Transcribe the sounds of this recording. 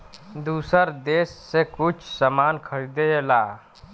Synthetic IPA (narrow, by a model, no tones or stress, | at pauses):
d̪usəɾd̪eːsːekut͡ʃʰsəmankʰəɾid̪eela